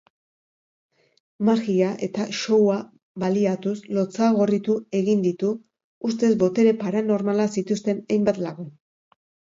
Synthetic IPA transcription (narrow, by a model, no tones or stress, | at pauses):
maɾɣiaʔe̞t̪aʃo̞wa | βaliat̪uslo̞t͡saɣo̞rit̪ue̞ɣind̪it̪uː | st̪e̞zbo̞t̪e̞ɾe̞paɾano̞ɾmalasit̪ust̪e̞najmbat̪laɣu